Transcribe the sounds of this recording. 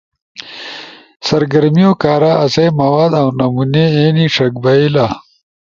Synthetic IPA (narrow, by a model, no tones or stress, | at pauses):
sɐɾɡɐɾmijokaːɾaɐsejmɐwaːd̪ɐwnɐmuneeniʂʰɐk̚bailaː